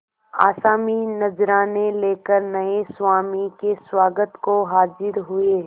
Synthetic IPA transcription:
a̰ːsaːminɐzɾaːneleːkəɾnɐeswaːmikeswaːɡət̪koɦaːd͡ʒɪɾɦʊe

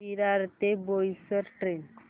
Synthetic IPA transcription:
iɾaɾt̪ebojsəɾʈɾen

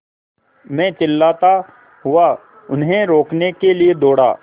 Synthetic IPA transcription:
mɛ̃ːt͡ʃɪlːaːt̪a | ɦʊa | ʊnɦẽɾoːknekelied̪oːɽa̰ː

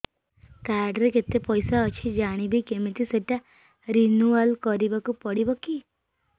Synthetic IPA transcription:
kaɾɖɾeket̪epɔjsaɔt͡ʃʰid͡ʒaɽ̃ibikemet̪ʰiseʈa | ɾinualkɔɾibakupɔɽibɔki

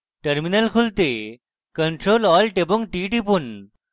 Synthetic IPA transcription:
ʈəɾminəlkʰult̪e | kəɳʈɾolɔːlʈeboŋɡ̚ʈiːʈipun

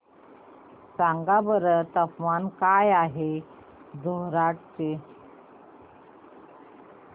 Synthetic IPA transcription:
saŋɡabəɾət̪əpʋankajaɦe | d̪ʱoɦɾaʈ̚t͡ɕe

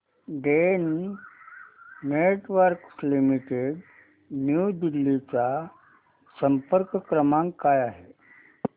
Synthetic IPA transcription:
ɖen | neʈʋəɾkslimiʈeɽ | njud̪ilːit͡sa | səmpəɾkəkɾəmãŋkːajaɦe

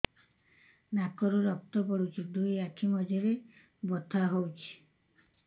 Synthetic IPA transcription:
nakɔɾuɾɔk̚t̪ɔpɔɽut͡ʃʰid̪ujakʰimɔd͡ʒɔɾe | bɔt̪ʰaɦowt͡ʃʰi̥

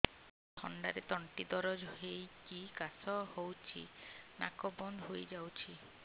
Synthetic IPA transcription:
tʰɔ̰ɳɖaɾet̪ɔɳʈid̪ɔɾɔd͡ʒɔɦejkikasɔhowt͡ʃʰḭna̰kɔbɔnd̪ɦojd͡ʒawt͡ʃʰi

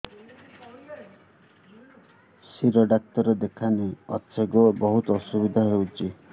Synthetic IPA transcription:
siɾɔɖak̚t̪ɔɾɔd̪ekʰaneɔtseɡɔbɔɦut̪ɔːsubid̪ʱaɦewt͡ʃʰi

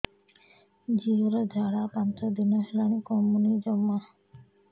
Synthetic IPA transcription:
d͡ʑioɾad͡ʒʱaɽapant̪od̪inoɦelanikɔmːunid͡ʑɔmːa

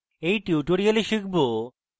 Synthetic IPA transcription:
ejʈiuʈoɾialeʃikʰbo

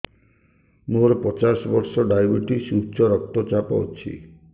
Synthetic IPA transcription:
moɾɔpɔt͡ʃasɔbɔɾsɔɖajbiʈisut͡ʃɔɾɔkt̪ɔt͡ʃapɔ̰t͡ʃʰḭ

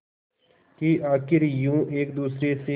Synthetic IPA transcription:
kiʔaːkɪɾjũːʔeːkd̪uːsɾese

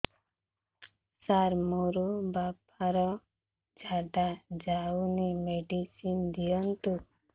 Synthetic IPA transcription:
saɾmuɾubap | aɾɔ | d͡ʒʱaɖad͡ʒaunimeɖisind̪ijɔnt̪u

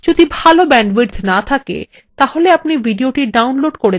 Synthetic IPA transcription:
d͡ʑod̪ibʱalobɛɳɖbiɖd̪nat̪ʰakḛ | t̪aholeapnibiɖioʈiɖawnloɖkoɾe

